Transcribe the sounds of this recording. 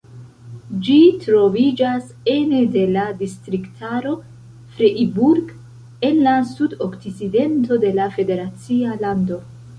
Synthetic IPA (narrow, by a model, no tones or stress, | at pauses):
d͡ʒitɾo̞vid͡ʒas | e̞ne̞de̞ladistɾiktʰaɾo̞ | fɾeʔibuɾɡ | e̞nlasudokt͡sit͡side̞nto̞de̞lafe̞de̞ɾat͡sialando̞